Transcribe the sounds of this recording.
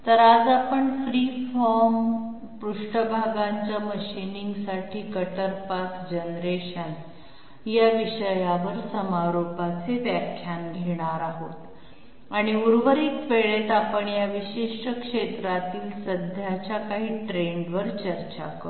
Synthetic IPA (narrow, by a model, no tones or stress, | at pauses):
t̪əɾad͡zapəɳfɾiːfɔɾm | pɾuʂʈəbʱaɡaɲt͡ɕjaməɕiniŋɡsaʈʰiːkəʈəɾpakd͡ʑənɾeɕən | jaʋiɕəjaʋəɾsəmaɾopat͡seʋjakʰjanɡʱeɽ̃aɾaɦot̪ | aɽ̃iuɾʋəɾiːkʋeɭet̪apəɳjaʋiɕeʂʈəkʂet̪ɾat̪iːlsəd̪ʱjat͡ɕjakaɦiːʈɾeɳɖʋəɾt͡ɕəɾt͡ɕa̰kəɾ